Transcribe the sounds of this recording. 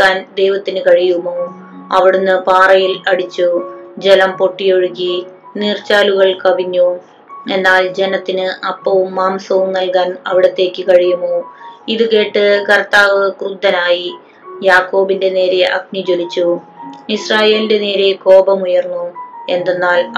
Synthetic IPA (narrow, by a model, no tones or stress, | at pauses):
aːnd̪e̞jʋɐt̪ːinɨkɐɻijumːo | ɐʋiɽunːɨpaːrɐjilɐɽit͡ɕːud͡ʑenɐmpo̞ʈːijoɻuɣi | nirt͡ɕːaːluɣɐɭkɐʋiɲːu | e̞nːaːld͡ʑe̞nɐt̪ːinɨʔɐpːɐʋumːaːmsɐʋumnɐlkaːnɐ̰ʋiɽɐt̪ːe̞ːkʲːɨkɐɻijumːoiðuke̞ːʈːɨkɐrt̪aːʋɨkrud̪ʱːɐnaːji | jaːkːo̞ːbinde̞ne̞ːɾe̞ʔɐɡnid͡ʑolit͡ɕːu | israːje̞ːlinde̞ne̞ːɾe̞ko̞ːbɐmujɐrnːue̞nd̪enːaːl